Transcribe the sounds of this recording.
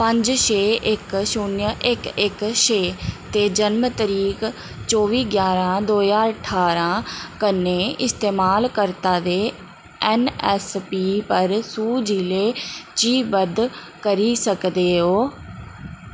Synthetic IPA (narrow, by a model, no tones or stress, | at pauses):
pəɲd͡ʒʃeːʔɪkʃʊnjəʔɪkɪkʃeːt̪eːd͡ʒənmt̪əɾiːk | t͡ʃoːʋiːɡjaːɾãːd̪oːjãːəʈʰaːɾãːkənːẽːɪst̪eːmaːlkəɾt̪ãːd̪eː | ɛnɛːspiːpəɾsuːd͡ʒiːleːt͡ʃiːbəd̪ | kəɾiːsəkd̪eːɦoː